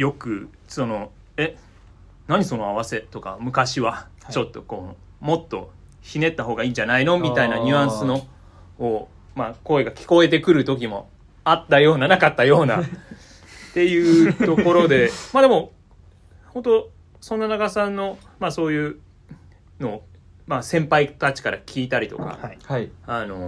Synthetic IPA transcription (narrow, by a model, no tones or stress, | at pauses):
jo̞kɯ̟ | so̞no̞ | e̞ | naɲ̟iso̞no̞aβ̞ase̞t̪o̞ka̰mɯ̟kaɕiβat͡ɕo̞t̪ːo̞ko | mo̞t̪ːo̞̰ | çine̞t̪ːaɦo̞ːɡaiːɲd͡ʑanaino̞mʲit̪ainaɲ̟ʲɯ̟ãɰ̃sɨno̞ː | mako̞e̞ɡakʲi̥ko̞e̞t̪e̞kɯ̟ɾɯ̟t̪o̞k̬ʲimo̞̰ | at̪ːajo̞ːnanakat̪ːajo̞ːna̰ | t̪e̞jɯ̟ːt̪o̞ko̞ɾo̞d̪e̞maːd̪e̞mo̞ | ho̞nt̪o̞ | sõ̞nːanaɡasãnːo̞ | maso̞ːjɯ̟ː | no̞ː | masẽ̞mpait̪at͡ɕi̥kaɾakʲʰiːt̪aɾʲit̪o̞̰ka̰ | ano̞